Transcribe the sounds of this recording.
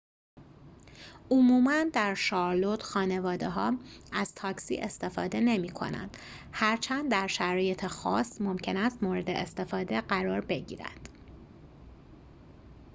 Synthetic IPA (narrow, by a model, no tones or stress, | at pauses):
omuːmænd̪æɾʃɒːɾlo̞t̪ʰxɒːne̞vɒːd̪eɦɒːæz̥t̪ʰɒːcsḭːʔe̞st̪e̞fɒːd̪e̞ne̞miːkʰo̞̰næ̰nd̪̥ | hæɾt͡ʃʰænd̪dːæɾʃæɾɒːje̞t̪ʰexɒ̰ːsmo̞mcʰe̞næst̪moːɾe̞d̪eʔest̪e̞fɒːd̪eɢæɾɒːɾbe̞ɟḭːɾæ̰nd̪̥